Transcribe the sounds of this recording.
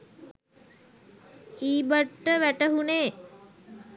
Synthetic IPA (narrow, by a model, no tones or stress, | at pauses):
iːbəʈːəʋæʈəɦuneː